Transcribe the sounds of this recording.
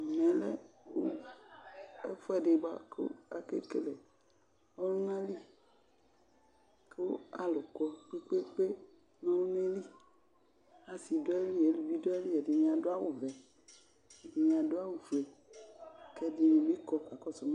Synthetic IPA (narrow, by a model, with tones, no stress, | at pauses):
nɛ̃˨le˦wo˦ | e˦fɔ˦ɛ˨ɖe˨ɡ͡ba̰˦ke˦o̰˦a˨kḛ˦ke˨le˨ | ɔ˦lu˦ŋã˦li˦ | ke˦wo˦a˨lo˨kɔ˦k͡pe˦k͡pe˦k͡pe˦ | nẽ˦wu˦nẽ˦li˦ | a˨si˨do˦e˦li˦˨e˨˦lu˨bi˦do˦e˦li˦e˨di˨ɲĩ˨ã˨do˦a˦wo˨vɛ˨ | di˨ɲ̃˨ã˨do˦a˦wo˨ve˨ | ke˦di˨nũ˨bi˦kɔ˦k͡pa˨kɔ˦so˨mã˦